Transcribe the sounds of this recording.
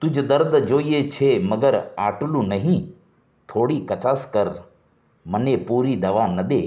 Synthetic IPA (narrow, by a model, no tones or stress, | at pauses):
t̪ʊd͡ʒd̪əɾd̪d͡ʒoːiet͡ʃʰemɐɡəɾaːʈlũnəɦĩ | t̪ʰoːɽiːkɐt͡ʃaːskəɾ | mənepuːɾid̪ɐʋaːnəd̪eː